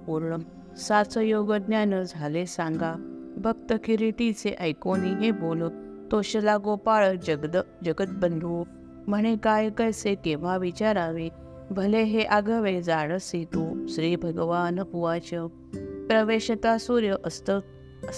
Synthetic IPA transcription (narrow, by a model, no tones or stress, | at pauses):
puɾɳəm | sat͡səjoɡəd̪njanəd͡zʱalesãŋɡabʱəkt̪əkʰiɾiʈ̪it͡seʔəjkoniɦebolə | t̪oɕəlaɡopaɭəd̪d͡ʑəɡət̪̚bənd̪ʱʋo | məɳ̃ekajkəjsekeʋ̤aʋit͡ɕaɾaʋe | ʋʱəleɦeʔaɡəʋed͡zaɽəsit̪oɕɾiːbʱəɡəʋanəpuʋat͡ɕə | pɾəʋeɕət̪asuɾjəʔəst̪ə